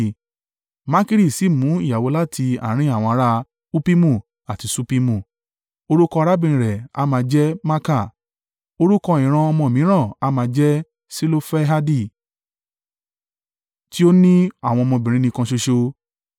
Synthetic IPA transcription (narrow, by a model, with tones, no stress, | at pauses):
ma˦ki˦ɾi˦˨si˨mũ˨˦i˦˨ja˨wo˨˧˦la˦tʰi˧a̰˨ɾ̃ĩ˨˧˦a˦˨w̃ɔ̃˧a˧ɾa˦ | u˦pi˦mũ˦˨ | a˨ti˧su˦pi˦mũ˦˨ | o˧ɾu˦kɔ˧ɾa˦bĩ˧˨ɾɛ˨a̰˧˦mã˧d͡ʒɛ˦ma˦ka˦˨ | o˧ɾu˦kɔ˧ĩ˨ɾ̃ã˧ɔ˧mɔ̃˧˨mĩ˨˦ɾ̃ã˦˨a˧˦mãː˧d͡ʒɛ˦ | si˦lo˦fɛ˦ɦa˦di˦˨ | ti˦o˦nĩ˦a˦˨w̃ɔ̃˧ɔ˧mɔ̃˧˨bĩ˨ɾĩ˨˦nĩ˧kã˧ʃo˧ʃo˧